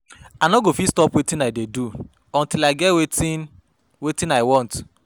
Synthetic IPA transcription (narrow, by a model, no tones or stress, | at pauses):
anɔɡofistɔpwetĩnaɪdedu | ɔ̃ntilaɪɡɛweti | wetĩnaɪwɔ̃nt